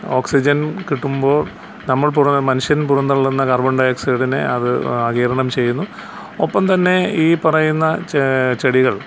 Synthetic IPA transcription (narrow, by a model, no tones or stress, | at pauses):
o̞ːksid͡ʑɐnkiʈːumbo̞ːɭ | nɐmːɐɭpurɐmɐnuʂjɐnpurɐnːɐɭːunːɐkɐrbɐɳɖɐjeksɐɽine̞̰ɐðɨ̰ɐɣiːɾɐɳɐmt͡ɕe̞jːunːu | opːɐmt̪ɐnːe̞iːpɐrɐjunːɐt͡ɕeɽiɣɐɭ